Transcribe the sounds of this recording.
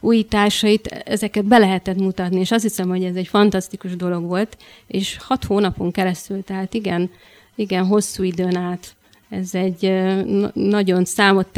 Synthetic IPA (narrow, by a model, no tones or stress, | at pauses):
uːjit̪aːrʃɒjit̪ɛ̰zɛkɛd̪̚bɛlɛɦɛt̪ɛt̪mut̪ɒt̪nieːʃɒst̪hisɛmho̞ɟɛzɛcfɒnt̪ɒst̪ikuʒd̪o̞lo̞ɡʋo̞lt̪ | eːʃhɒt̪hoːnɒpo̞ŋkɛɾɛst̪ylt̪ɛɦaːt̪iɡɛn | iɡɛnɦo̞sːuːid̪øːnaːt̪ | ɛzɛɟː | nɒɟo̞nsaːmo̞t̪ː